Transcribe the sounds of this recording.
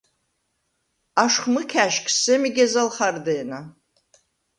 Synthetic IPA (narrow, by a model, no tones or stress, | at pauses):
aʂχmɨkʲʰaʃkʰʲʼsɨmiɡʲazalχardejna